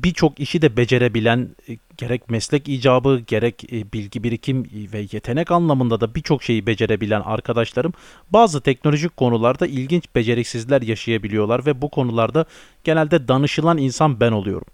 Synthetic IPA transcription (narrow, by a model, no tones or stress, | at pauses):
bit͡ʃʰo̞kiʃid̪ɛbe̞d͡ʒe̞ɾebilʲæn | ɟ̥e̞ɾɛc̚mɛslʲɛciːd͡ʒaːbɯɟe̞ɾɛcbilʲɟibiɾicʰimvɛjet̪ʰe̞nɛcanlˠamɯnd̪ad̪abit͡ʃʰo̞kʃe̞jibe̞d͡ʒe̞ɾe̞bilʲæna̰ɾkʰad̪aʃlˠaɾɯm | baːzɯt̪ʰɛcno̞lʲo̞ʒic̚kʰo̞nulˠaɾd̪ailʲɟint͡ʃb̥e̞d͡ʒe̞ɾɛcsizlʲæɾjaʃajabilʲijo̞lˠaɾvɛbukʰo̞nulˠaɾd̪a | ɟ̥e̞nælʲd̪ɛd̪anɯʃɯlˠaninsanbæno̞lˠujo̞̰ɾṵm